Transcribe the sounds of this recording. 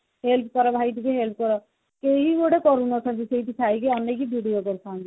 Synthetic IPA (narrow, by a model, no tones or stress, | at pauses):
ɦelp̚ʰkɔɾɔbʱajʈikeɦelp̚ʰkɔɾɔ | keɦiɡoɽekɔɾunɔt̪ʰɔnt̪iseiʈit̪ʰajkeɔnːekibʱiɽijokɔɾt̪ʰand͡ʒi